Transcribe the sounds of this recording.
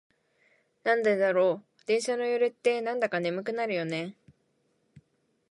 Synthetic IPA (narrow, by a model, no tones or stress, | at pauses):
nãnd̪ed̪aɾo̞ː | d̪̥ẽ̞ɰ̃ɕano̞joɾɯt̪ːe̞nãnd̪akane̞mɯ̟kɯ̟naɾɯ̟jo̞ne̞